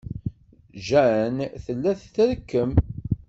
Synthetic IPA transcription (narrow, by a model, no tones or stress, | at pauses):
ʒænθəlːæθθəɾkːəm